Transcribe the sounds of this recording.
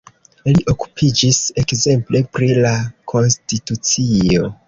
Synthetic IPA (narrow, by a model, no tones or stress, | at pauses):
liʔo̞ku̥pʰid͡ʒise̞kze̞mple̞pɾilakʰo̞nstitut͡sio̞